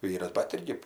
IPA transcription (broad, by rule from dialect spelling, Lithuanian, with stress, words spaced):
ˈʋʲiːrɐs bɐt ˈɪrʲɡʲɪ